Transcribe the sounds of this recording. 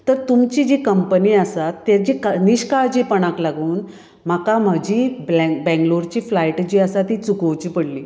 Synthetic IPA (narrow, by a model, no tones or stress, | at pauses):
t̪əɾt̪umt͡ɕid͡ʑikəmpəniəsat̪ːad͡ʑikaniɕkaɭd͡ʑipəɽ̃ãklaɡuːn | m̤akam̤əd͡ʑibɛbɛ̃ŋɡloɾt͡ɕiːflajʈd͡ʑiəsat̪it͡sukəwt͡ɕiːpəɽliː